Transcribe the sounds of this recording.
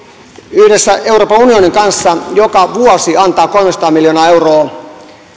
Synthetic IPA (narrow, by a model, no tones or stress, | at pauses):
yhdesːæʔe̞uwroːpɑunioniŋkɑnsːɑjokɑʋuosiɑnt̪ɑːko̞lmesɑ̥t̪ɑːmiljoːnɑːe̞wroː